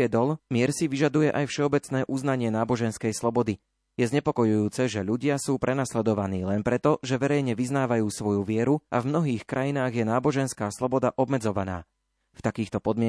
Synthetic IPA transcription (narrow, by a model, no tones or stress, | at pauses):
ɛd̪ɔlmɪɛɾsiʋiʒad̪ujɛʔajfʃɛɔbɛt͡snɛːʔuznaɲɪɛnaːbɔʒɛnskɛjslɔbɔd̪i | jɛzɲɛpɔkɔjujuːt͡sɛʒɛʎuɟɪasuːpɾʔɛnaslɛd̪ɔʋaniːlɛnpɾɛt̪ɔʒɛʋɛɾɛjɲɛʋiznaːʋajuːsʋɔjuʋɪɛɾua̰vmnɔɦiːxkɾʔajinaːɣjɛnaːbɔʒɛnskaːslɔbɔd̪aʔɔbmɛd͡zɔʋana̰ː | ft̪akiːxt̪ɔpɔd̪mɪɛ